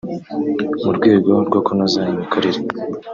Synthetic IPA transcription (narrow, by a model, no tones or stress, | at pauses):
muɾɡwe̞ːɡo̞ɾɡwakonazaɲimikʰaɾiɾe